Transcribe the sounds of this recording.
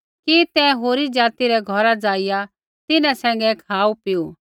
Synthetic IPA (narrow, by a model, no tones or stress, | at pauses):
kit̪ɛ̃ɦoːɾid͡ʒaːt̪iɾɛɡʱɔɾad͡zaːɪja | t̪ɪnãsɛ̃ːŋɡɛkʰaːupɪju